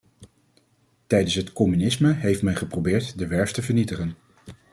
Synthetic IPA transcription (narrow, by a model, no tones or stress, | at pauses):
tɛjdənsɦətkɔmynɪsməɦejftmɛnχəprowbɪːɹtdəʋɛɹftəvəɹnitəχən